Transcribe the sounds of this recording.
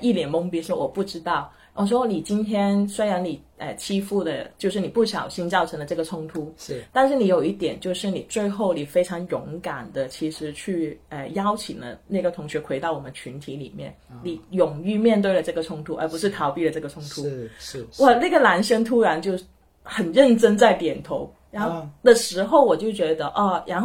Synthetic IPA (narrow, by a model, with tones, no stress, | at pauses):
i˥˩ljɛ˨˩nmʊ˥ŋpji˥ʂwɔ˥wɔ˨˩pu˥˩ʈ͡ʂɻ̩˥t̪ɑ˥˩ʊ | wʔɔ˨˩ʂwɔ˥ni˨˩t͡ɕi˥nt̪ʰjɛ˥nswe˥ɻa˧˥ni˨˩ | ə̰˧˩t͡ɕʰi˥fu˥˩d̪ə˩t͡ɕjo˥˧ʂɻ̩˥˩ni˨˩pu˥˩ɕjɑ˨˩ʊɕi˥nt͡sɑ˥˩ʊʈ͡ʂʰɤ˧˥ŋd̪ə˧ʈ͡ʂɤ˥˩ɡə˩ʈ͡ʂʰʊ˥ŋt̪ʰu˧˥t̪a˥˧nʂ̬ɻ̩˥˩ni˧˥jo˨˩ʊi˥˩t̪jɛ˨˩nt͡ɕjo˥˧ʊʂɻ̩˥˩nḭ˨˩t͡swe˥˧ɪxo˥˩ʊli˨˩fe˥ʈ͡ʂʰɑ˧˥ŋjʊ˧˥ŋka˨˩nd̪ə˦t͡ɕʰi˧˥ʂɻ̩˧˥t͡ɕʰy˥˩ə˩jɑ˥ʊt͡ɕʰi˨˩ŋd̪ə̰˦na˥˩ɡə˩t̪ʰʊ˧˥ŋɕɥɛ˧˥kwe˧˥ɪt̪ɑ˥˩ʊwɔ˨˩ə˦nt͡ɕʰy˧˥nt̪ʰi˧˥lḭ˨˩mjɛ̰˥˩nni˨˩jʊ˨˩ŋy˥˧mjɛ˥˧nt̪̬we˥˩ɪlə˩ʈ͡ʂɤ˥˩ɡə˩ʈ͡ʂʰʊ˥ŋt̪ʰu˧˥ʔə˞˧˥pu˧˥ʂɻ̩˥˩t̪ʰɑ˧˥ʊpi˥˩lə˩ʈ͡ʂɤ˥˩ɡə˩t͡sʰʊ˥ŋt̪ʰu˥wɔ˥˩na˥˩ɡə˩la˧˥nʂə˥ŋt̪ʰu˥ɻa˧˥nt͡ɕjo˥˧ʊ | xə˨˩nɻə˥˩nʈ͡ʂə˥ŋt͡sa˥˩ɪt̪jɛ˨˩nt̪ʰo˧˥ʊ | ɻa˧˥n˩d̪ə˨ʂɻ̩˧˥xo˥˩ʊwɔ˨˩t͡ɕjo˥˩ʊt͡ɕɥɛ˧˥d̪ə˧ʔɔ˥˧ɻa˧˥n˥